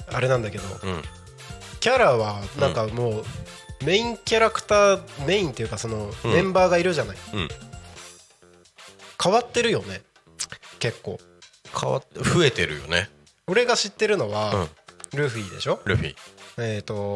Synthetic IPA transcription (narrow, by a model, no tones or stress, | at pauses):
aɾe̞nãnd̪ake̞d̪õ̞̰ | kʲaɾaβanãŋkamoː | me̞ĩŋkʲaɾakɯ̥t̪aːme̞ĩnt̪e̞jɯkaso̞no̞mẽ̞mbaːɡaiɾɯ̟ʑanaĩ | kʰaβat̪ːe̞ɾɯ̟jo̞ne̞ | ke̞kːo̞ː | kʰa̰βa̰t̪ɸɯ̟e̞t̪e̞ɾɯ̟jo̞̰nḛ | oɾe̞ɡaɕit̪ːe̞ɾɯ̟no̞βaɯ̃ɾɯ̟ɸɯ̟iːd̪e̞̰ɕo̞ɾɯ̟ɸḭːet̪o̞